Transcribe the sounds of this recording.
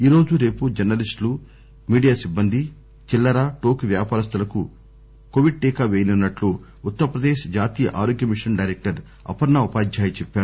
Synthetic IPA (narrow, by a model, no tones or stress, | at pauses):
iːɾo̞ːd͡ʒuɾe̞ːpud͡ʒɐɾnɐlisʈlu | miːɖijaːsibːɐnd̪ʱi | t͡ʃilːɐɾaʈo̞ːkʋjaːpaːɾɐst̪ɐlɐku | koʋiɖ̚ʈɛːkaːʋeːjinɐnːɐʈloː | ut̪ːɐɾɐpɾɐd̪eːʃd͡ʒaːt̪iːjɐʔaːɾoːɡjɐmiʂɐnɖɐjɾek̚ʈɐɾ | ɐ̰pɐɾnɐupaːd͡ʒjaːjɐt͡ʃɛpːaːɾu